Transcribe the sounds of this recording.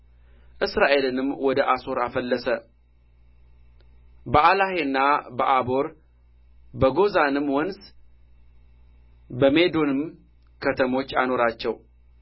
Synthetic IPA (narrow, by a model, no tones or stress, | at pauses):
ʔɨsɾaʔe̞lɨnɨmːwɔd̪əʔaso̞ɾafəlːəsə | bəʔalaheɨnːabəʔabo̞ɾ | bəɡo̞zanɨmːwɔns | bəme̞d̪onɨm | kʰət̪ʰəmo̞t͡ʃːa̰no̞ɾat͡ʃːɛw